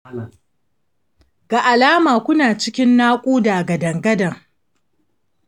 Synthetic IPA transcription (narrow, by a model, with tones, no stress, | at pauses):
ɡa˨ʔa˨laː˦maː˨kʷʊ˦naː˨t͡ʃɪ˦kʲɪ˦nːaː˦kʷʼuː˦daː˨ɡɐ˨dɐ˨ŋɡɐ˦dɐ˨ŋ